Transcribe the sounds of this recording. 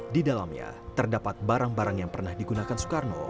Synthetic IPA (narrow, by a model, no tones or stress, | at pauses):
didalamɲa̰t̪ərdapat̪̚baɾaŋbaɾaŋjaŋpərnahdiɡunakansu̥karno̰